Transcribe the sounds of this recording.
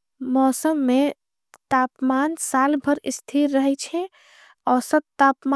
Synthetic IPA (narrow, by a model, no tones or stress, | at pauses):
mɔːsəmːe | t̪apmansalbʱəɾist̪ʰiɾːəɦɛt͡ʃʰɛ | ɔsəbt̪apm